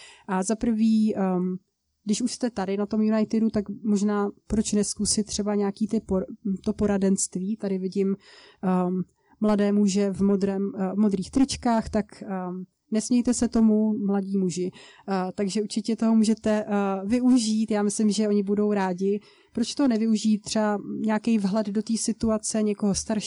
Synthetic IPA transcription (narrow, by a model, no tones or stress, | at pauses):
ʔazapr̩viː | ɡdɪʃuʃst̪ɛt̪adɪnat̪o̞mjunajt̪ɪdut̪akmoʒnaːpɾo̞t͡ʃnɛskusɪt̪ːr̝̥ɛbaɲɛakiːt̪ɪpot̪o̞po̞ɾadɛnst̪viːt̪adɪvɪɟɪm | mladɛːmuʒɛvmo̞d̪ɾɛːmvmo̞d̪ɾiːxt̪ɾɪt͡ʃkaːxt̪ak | nɛsmɲɛjt̪ɛsɛt̪o̞mumlaɟiːmuʒɪt̪aɡʒɛʔuɾt͡ʃɪcɛt̪o̞ɦomuːʒɛt̪ɛvɪʔuʒiːt̪jaːmɪslɪmʒɛo̞ɲɪbudo̞wɾaːɟɪ | pɾot͡ʃt̪oɦonɛvɪuʒiːt̪ːr̥ɛbaɲɛakɛjvɦlɛddo̞t̪iːsɪt̪uat͡sɛɲɛko̞ɦost̪aɾʃ